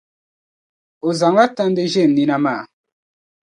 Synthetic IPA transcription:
o˨za˨ŋɡa˦ta˦n˦de˦ʒe˦˨m˨ni˦na˦ma˦˨

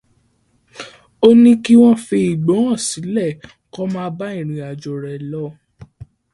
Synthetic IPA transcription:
o˦nĩ˦ki˦w̃ɔ̃˦fe˧i˨ɡ͡bõ˨˦ã˦˨si˨˦lɛ˦˨ | kɔ˦mãː˦ba˦ĩ˦˨ɾ̃ĩ˨a˨d͡ʒɔ˨ɾɛ˨lɔ˨˦

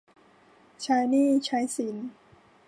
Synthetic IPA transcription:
t͡ɕʰa˦˥jniː˥˩t͡ɕʰa˦˥jsi˩˦n

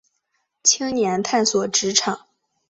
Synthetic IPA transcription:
t͡ɕʰi˥ŋnjɛ˧˥nt̪ʰa˥˩nswɔ˨˩ʈ͡ʂɻ̩˧˥ʈ͡ʂʰɑ˨˩˦ŋ

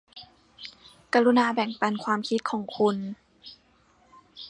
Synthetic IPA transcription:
ka˧ɾu˧naː˧bɛ˨˩ŋpa˧nkʰwaː˧mkʰi˧˦˥t̪̚kʰɔː˩˦ŋkʰu˧n

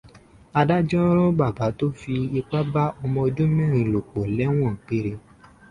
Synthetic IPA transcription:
a˧da˦d͡ʒɔ̃˦ɾ̃ɔ̃˦ba˦˨ba˨˦to˦fi˧i˧k͡pa˦ba˦ɔ˧mɔ̃˧d͡ʒũ˦mɛ̃˦˨ɾ̃ĩ˨lo˨k͡po˨lɛ˨˦w̃ɔ̃˦˨k͡pe˦ɾe˧

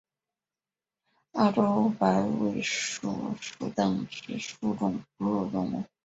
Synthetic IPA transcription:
a˥˩ʈ͡ʂo˥ʊpa˧˥ɪwe˥˩ɪʂṵ˥˨˩ʂṵ˨˩t̪ə˥˩ŋʈ͡ʂ̩˧˥ʂu˥˧ʈ͡ʂʊ˥˩ŋpu˧˥ɻu˥˩ʈ͡ʂʊ˥ŋ˥˩

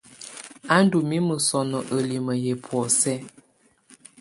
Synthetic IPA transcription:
a˦n˦du˨mi˦mə˨sɔ˨nɔ˨ʔə˨li˨mə˨je˨pʰwɔ˨sɛ˦

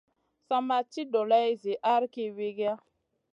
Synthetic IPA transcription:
sa˦ma˦t͡ʃi˦dɔ˨la˦i˦zi˨ʔa˦ɾke˦we˦ɡa˦

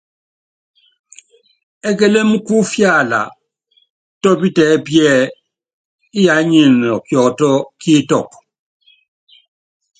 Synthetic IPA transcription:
ɛ˦k̬e˦le˦m̩˦ku˦fja˦˨la̰˨ | tɔ˦bi˦tɛː˨˦pjɛː˦˨ | i˦ja˨˦ɲe˨nɔ˨kjɔ˨ktɔ˦kʰi˦tɔ˦˨k̚

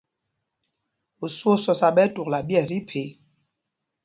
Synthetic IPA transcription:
o˨so˦sɔ˨sa˨ɓɛ˦tu˨kla˨bjɛ˦˨ɾi˦pʰe˨˦

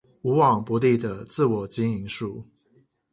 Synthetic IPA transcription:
u˧˥wɑ˨˩ŋpwɔ˧˥˦t̪i˥˩d̪ə˩t͡sɹ̩˥˩˨wɔ˨˩t͡ɕi˦ŋi˧˥ŋʂu˥˩

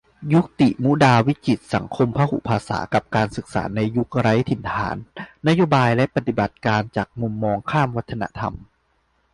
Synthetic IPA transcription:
ju˦˥k̚t̪ḭ˨˩ʔmu˦˥daː˧wi˦˥ki˨˩t̪̚sa˩˦ŋkʰo˧mpʰa˦˧˥hṵ˨˩pʰaː˧sa̰ː˩˦ka˨˩p̚kaː˧nsɯ˨˩k̚sa̰ː˩˦na˧jːu˦˥k̚ɾa˦˥jt̪ʰi˩˦nt̪ʰa̰ː˩˦nːa˦˥joː˧˥baː˧jlɛ˦˥ʔpa˨˩t̪i˨˩ba˨˩t̪̚kaː˧nt͡ɕaː˨˩k̚mu˧mːɔː˧ŋkʰaː˥˩mwa˦˥t̪ʰːa˧na̰˧˥ʔt̪ʰa̰˧m

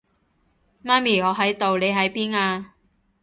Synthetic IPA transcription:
maː˥nmiː˨˩ŋɔː˨˧ɦɐ˨˥jt̪o˨wle˨˧jɦɐ˨˥jpiː˥naː˧

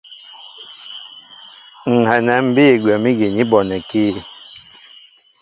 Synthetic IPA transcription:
ŋ̩˨ɦɛ˨nɛ˨m̩˦bi˦i˨ɡwɛ˨mi˦ɡi˨ni˦bɔ˨nɛ˨ki˦

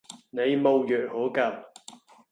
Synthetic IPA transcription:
ne˨˧jmo˨˧wjœː˨t̚hoː˨˥kɐ˧˩w

